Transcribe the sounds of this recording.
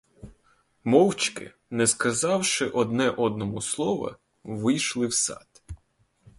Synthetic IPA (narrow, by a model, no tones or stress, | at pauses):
mɔwt͡ʃkɪ̰ | nɛskɐzɑwʃɪʔɔd̪nɛʔɔd̪̚nɔmʊslˠɔʋɐ̰ | ʋɪjʃlˠɪwsɑ̰t̪ʲ